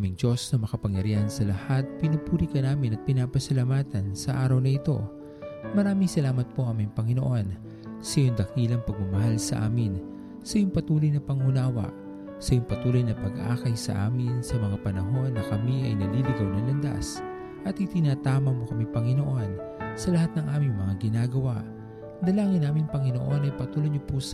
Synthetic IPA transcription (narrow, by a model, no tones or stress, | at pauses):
amiŋd͡ʒo̞snɐmɐkɐpɐŋjɐɾiɐnsɐlɐhat̪̚pɪnɐpuːɾikɐnaːmɪnɐt̪̚pɪnaːpɐsɐlamaːt̪ɐnsɐʔaːɾɐwnɐɪt̪o̞̰ | mɐɾaːmɪŋsɐlaːmɐt̪̚po̞ʔɐŋmɐjŋpɐŋɪnoʔo̞n | sɐjʊŋd̪ɐkilɐŋpɐɡ̚mɐmɐɦalsɐ̰ʔa̰ːmɪn | sɐjʊŋpɐt̪uːlojnɐpɐŋhʊnaːwɐ̰ʔ | sɐjʊŋpɐt̪uːlojnɐpɐɡʔa̰ːkɐjsɐ̰ʔa̰ːmɪnsɐmɐŋapɐnɐɦo̞nːɐkɐmiʔɐ̰jnɐliːlɪɡawnɐŋlɐnd̪a̰s | ʔɐt̪ɪt̪ɪnaːt̪aːmɐmokɐmipɐŋɪnoʔo̞n | sɐlɐhat̪̚nɐŋʔaːmɪŋmɐŋaɡɪnaːɡɐwaʔ | d̪ɐlaːŋɪnːaːmɪŋpɐŋɪnoʔo̞nɐjpɐt̪uːloɲʊpus